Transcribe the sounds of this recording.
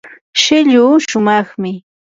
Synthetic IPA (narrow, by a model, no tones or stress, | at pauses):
ʃɪʎuːʃʊmɑχmɪ